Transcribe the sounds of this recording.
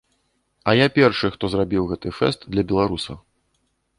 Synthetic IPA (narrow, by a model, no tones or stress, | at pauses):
ɐjapʲɛrʂɨxt̪ɔzrabʲiwɣɛt̪ɨfɛ̰st̪d̪lʲɐbʲɛlˠaɾusɐ̰w